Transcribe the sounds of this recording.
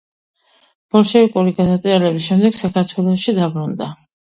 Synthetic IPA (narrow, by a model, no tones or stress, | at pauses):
b̥ɔlʃɛvikʼuɾiɡad̪at̪sʼialɛbisʃɛmd̪ɛɡsakʰaɾt̪ʰwɛlˠɔʃid̪abɾund̪a